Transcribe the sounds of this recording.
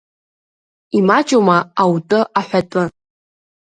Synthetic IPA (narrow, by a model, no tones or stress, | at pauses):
imat͡ʃʼomaawtʼɨʔaħʷᶣatʼɨ